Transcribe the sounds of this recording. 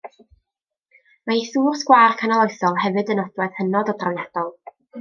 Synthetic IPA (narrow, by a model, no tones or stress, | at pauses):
maiθuːrsɡ̥waːrkʰanalˠoɨθɔlˠɦɛvɨdənɔdwɛð̥hənɔdɔdrawjad̥ɔlˠ